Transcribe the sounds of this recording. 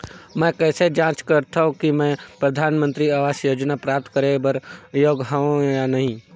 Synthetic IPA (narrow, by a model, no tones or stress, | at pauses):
mɛ̃ːkɛːsed͡ʒãːt͡ʃkəɾt̪ʰaɦõkimɛ̃pɾəd̪ʱaːnmə̃nt̪ɾiaːʋaːsjoːd͡ʒnapɾaːp̚t̪kəɾebəɾjoːɡɦaõjanɐɦĩ